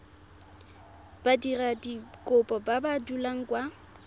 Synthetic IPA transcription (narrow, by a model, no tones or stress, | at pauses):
b̥adiradikʼʊpʼɔbabadulaŋ̩kʼwa